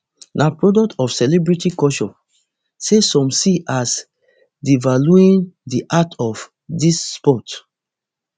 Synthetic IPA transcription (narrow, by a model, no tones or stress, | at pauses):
nʔapɹɔdɔk̚tɔfsɛlɛbɹitikɔʃɔ̃ | sesɔ̃msiʔas | divaluĩndiʔatʰɔf | disːpɔt